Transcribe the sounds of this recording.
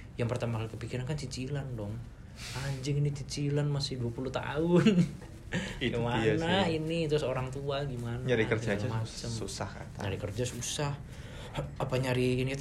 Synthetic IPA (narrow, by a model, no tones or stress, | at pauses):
jaŋpərt̪amaalikəpikiɾankant͡ʃit͡ʃilandɔŋ | aɲd͡ʒɪŋinit͡ʃit͡ʃilanmasɪhduapulut̪a̰ʊn | iɡimanainit̪ɾʊsoɾaŋt̪uaɡimanaaɾikərd͡ʒad͡ʒmat͡ʃəmusaha̰t̪aɲaɾikərd͡ʒasusah | apaɲaɾiːnit̪